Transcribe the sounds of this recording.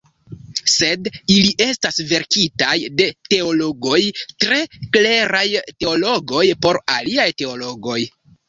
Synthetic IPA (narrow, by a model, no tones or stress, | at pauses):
se̞diliʔe̞stasve̞ɾkitajde̞te̞o̞lo̞ɡo̞jtɾe̞kle̞ɾajte̞olo̞ɡo̞jpo̞ɾaliajte̞o̞lo̞ɡo̞j